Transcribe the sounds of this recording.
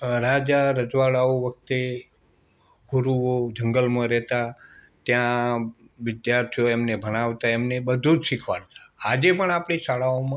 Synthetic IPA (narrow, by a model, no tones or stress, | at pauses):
ɾad͡ʒaɾəd͡ʒʋaɭaoʋək̚t̪e | ɡuɾuod͡ʒəŋɡəlmãɾɛt̪a | t̪jã | ʋɪd̪jaɾt̪ʰijoemnebʱəɽ̃aʋt̪aemnebəd̪ʱud͡ʒʃikʰʋa̰ɾt̪ḁːd͡ʒepəɳapɳ̃isaɭaomã